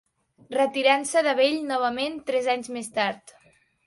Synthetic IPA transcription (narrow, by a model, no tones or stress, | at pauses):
rət̪iɾansəðəβeʎnɔβ̞əment̪ɾɛzaɲzmest̪aɾt̪